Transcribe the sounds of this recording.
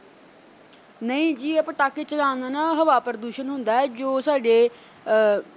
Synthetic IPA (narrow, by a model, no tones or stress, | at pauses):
nəĩːd͡ʒiːəpãːʈaːket͡ʃənãːnd̪aːnãːɦəʋaːpəɾəd̪uːʃənɦʊnd̪aːɛːd͡ʒoːsaːɖeː